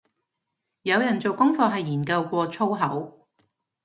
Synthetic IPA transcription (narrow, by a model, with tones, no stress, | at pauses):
jɐ˨˧wjɐ˨˩nt͡so˨wkʊ˥ŋfɔː˧ɦɐ˨jːiː˨˩nkɐ˧wkʷɔː˧t͡sʰo˥wɦɐ˨˥w